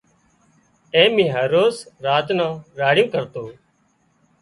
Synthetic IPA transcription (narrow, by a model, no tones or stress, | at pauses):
ẽːmĩːɦəɾoːsɾaːt̪nãːɾaːɽjõːkəɾt̪oː